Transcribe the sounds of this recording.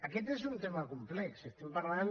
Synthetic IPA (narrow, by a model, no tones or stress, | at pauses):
aket̪̬es̬unt̪emakumplɛksest̪empaɾlan